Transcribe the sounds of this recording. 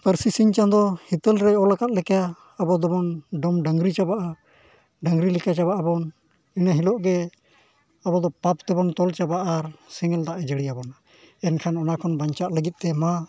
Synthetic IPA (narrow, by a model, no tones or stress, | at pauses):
pəɾsisiɲt͡ʃãnd̪ɔhit̪əlɾɛɔlakat̪̚lɛkaː | bɔd̪ɔbɔnɖɔmɖəŋɡɾit͡ʃabaʔa | ɖəŋɾilikat͡ʃaβaʔabɔn | inaɦilɔʔɡɛ | abɔd̪ɔpap̚t̪ɛbɔnt̪ɔlt͡ʃabaʔːɾsɛŋɛld̪aʔɛd͡ʒəɽijabɔna | ɛnkʰanɔnakʰɔnbaɲt͡ʃaʔ̪ləɡit̪̚ˀt̪ɛma